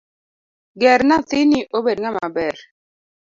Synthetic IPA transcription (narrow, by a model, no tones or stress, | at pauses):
ɡɛɾnat̪ɪniʔobedŋamabɛr